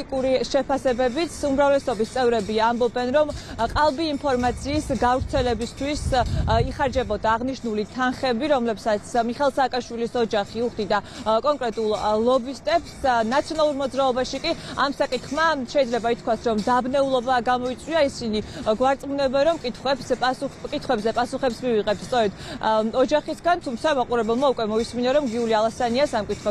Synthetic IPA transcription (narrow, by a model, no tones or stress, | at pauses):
ikʼuɾiʃɛpʰasɛbɛbit̪sʰumɾavlɛsɔbist̪sʼɛvɾɛbiambɔbɛnɾɔmqʼalˠbiːmpʰɔɾmat̪sʰiːsɡavɾt̪sʰɛlɛbist̪ʰwisiχaɾd͡ʒɛbɔd̪aːʁniʃnulit̪ʰanχɛbiɾɔmlɛbsat̪sʰmiχɛlˠsaːkʼaʃwilisɔd͡ʒaχiuχd̪id̪akʼɔŋkʼɾɛt̪ʼulˠlˠɔbist̪ʼɛpsnat̪sʰiɔnalˠuɾmɔd̪zɾaɔbaʃikʼiamsakʼit̪ʰχmaʃɛid̪zlɛbait̪̚ʰkʰwasɾɔmd̪abnɛulˠɔbaɡamɔit̪sʼwiaisiniɡwaɾt̪sʼmunɛbɛɾɔmkʼit̪ʰχwɛbsʼukʼit̪ʰχwɛbzɛpʼasuχɛpsmiviʁʼɛp̚t̪st̪sʼɔɾɛd̪̥ɔd͡ʒaχisɡant̪ʰumt̪sʰamaqʼuɾɛbɛlˠmaukʼwɛmɔisminaɾɔmɡiulialˠasaniasamkʼit̪ʰχwɛ